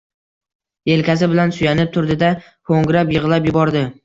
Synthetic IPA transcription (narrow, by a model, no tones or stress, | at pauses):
e̞lkʲasɪbɪlansʊjanɪp̚t̪ʰʊɾd̪ɪd̪a | kʰoŋɡɾapjɨʁlˠapjʊbɒɾd̪ɪ